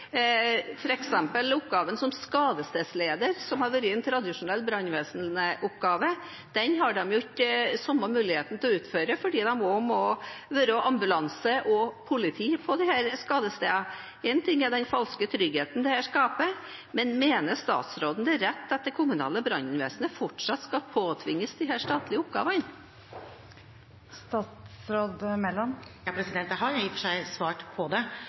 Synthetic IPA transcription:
fɔɾɛksɛmpəlʊpɡɑːʋənsɔmskɑːd̪əst̪eːsleːd̪əɾsɔmhɑɾʋøɾɪɛnt̪ʰɾɑd̪ɪʂʊnɛlːbɾɑnʋeːsnəʔʊp̚ɡɑːʋə | d̪̥ɛnɦɑɖɛmjʊɪkːəsɔmːəmʉːlɪheːt̪n̩t̪ʰɛɔʉːt̪føːɾəfɔɖiːd̪ɑmmɔmɔʋøɾəɔʔɑmbʉlɑnsəʔɔpʰʊlɪt̪ʰiːpʰɔd̪ɪhæːɾskɑːd̪əst̪ḛːɑ | ɛnt̪ʰɪŋːæɖɛnfɑlskət̪ʰɾʏɡheːt̪n̩d̪ɛhæʂkɑːpə | mɛnmeːnəʂt̪ɑ̰ːt̪sɾoːd̪n̩d̪ɛɾɛt̪ːɑt̪̚d̪ɛkʰʊmʉnɑ̰ːləbɾɑnənʋḛːsənəfɔʈʂɑt̪ːskɑlpʰoːt̪ʰʋɪŋːəsd̪ɪɦæːʂt̪ɑːt̪lɪəʊp̚ɡɑ̰ːʋən | st̪ɑːt̪sɾoːd̪mɛlːɔnjɑpʰɾɛsɪd̪ɛnt̪əɦɑɾjʊjɪftʂæɪsʋɑːʈpʰɔd̪ɛ

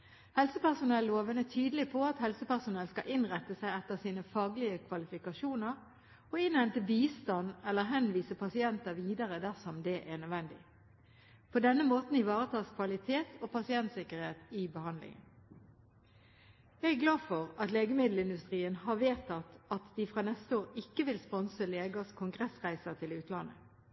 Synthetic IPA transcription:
hɛlsəpæʁsʊnɛlːoːʋənət̪ʰyːd̪əlɪpʰɔɑt̪hɛlsəpæʁsʊnɛlskɑʔɪnʁɛt̪ːəsæɪɛt̪ːəʁsiːnəfɑːɡlɪəkʰʋɑlɪfɪkɑʃuːnəʁ | ɔɪnhɛnt̪əbiːst̪ɑnɛlːəɦɛnʋiːsəpʰɑsɪɛnt̪əʋiːd̪əʁəd̪æʁsɔmd̪ɛʔænœd̪ʋɛnd̪ɪ̰ | pʰɔd̪ɛnːəmoːt̪n̩ɪʋɑːʁət̪ʰɑːskʰʋɑlɪt̪ʰeːt̪ʰopʰɑsɪɛnt̪sɪkəʁheːt̪ɪbəhɑnd̪lɪ̰ŋə̰n | jæɡæɡlɑːfɔʁɑt̪leːɡəmɪd̪l̩ɪnd̪ʉst̪ʁiːənhɑʋeːt̪ɑt̪ɑt̪d̪̥ɪfʁɑːnɛst̪əoːʁɪkːəʋɪlspɔnsəleːɡəskʰʊŋɡʁɛsʁæɪsət̪ʰɪlʉːt̪lɑnə̰

